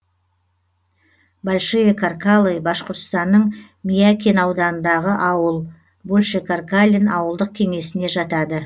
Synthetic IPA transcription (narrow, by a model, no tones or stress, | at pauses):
balʲʃijekʰarkalˠejbɑʃqəɾt̪st̪ɑnːəɴ | mijakʲenɑwd̪ɑnənd̪ɑʁəʔɑwəlˠ | bolʲʃekarkalʲinɑwəlˠd̪əq̚kʲʰe̞ŋe̞sɪne̞ʒɑt̪ɑd̪ə